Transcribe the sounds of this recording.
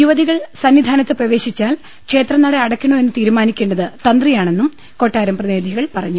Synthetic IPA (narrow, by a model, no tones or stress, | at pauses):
juʋɐðiɣɐɭsɐnːʋid̪ʱaːnɐt̪ːɨprɐʋe̞ːɕit͡ɕːaːl | kʂe̞ːt̪rɐnɐɽeɐɽɐkʲːɐɳue̞nːɨt̪iːɾumaːnikʲːe̞ːɳɖɐðɨt̪ɐnd̪rijaːɳe̞nːum | ko̞ːʈːaːɾɐmprɐðeːd̪ʱiɣɐɭpɐrɐɲːu